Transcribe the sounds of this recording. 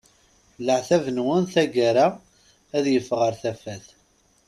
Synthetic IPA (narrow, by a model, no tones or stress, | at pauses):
ləʕθævənwənθæɡaɾa | æðjəfʁəɾθæfæθ